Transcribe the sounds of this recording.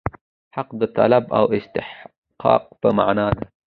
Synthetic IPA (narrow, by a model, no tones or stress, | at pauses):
ħaqd̪ət̪a̰laba̰wɪst̪ɪħ | qɑ̰ːq̚pəma̰ʕnaːd̪a